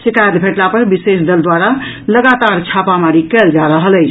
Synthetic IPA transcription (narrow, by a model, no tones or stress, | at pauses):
sikajəd̪bʱeʈlapəɾbisesd̪əld̪waɾaləɡat̪aɾt͡ʃʰapamaɾikɛld͡ʒaɾəɦələjt͡ʃʰ